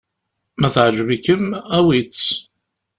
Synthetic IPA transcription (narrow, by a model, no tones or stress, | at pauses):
mæθʕʒəvikəmæwit͡sː